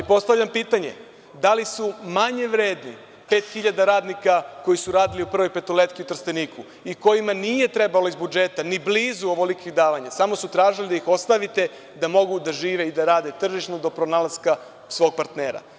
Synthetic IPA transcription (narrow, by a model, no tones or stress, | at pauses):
po̞st̪aʋʎampiːt̪aɲḛ | d̪alisumaɲe̞ʋɾeːd̪ni | pe̞ːt̪xiʎad̪aɾaːd̪nikako̞jisuɾaːd̪iliupr̩ʋo̞jpe̞t̪olet̪kiut̪r̩st̪eniːkʰu | iko̞jimanije̞t̪ɾe̞balo̞izbud͡ʒe̞t̪anibliːzuoʋolikiɣd̪aːʋaɲasamo̞sut̪ɾaːʒilid̪aixo̞st̪aʋit̪e̞ | d̪amo̞ɡud̪aʒiːʋe̞id̪aɾaːd̪e̞t̪r̩ʒiʃnod̪o̞pɾonaːlazka | sʋoːɡ̚paɾt̪neːɾa̰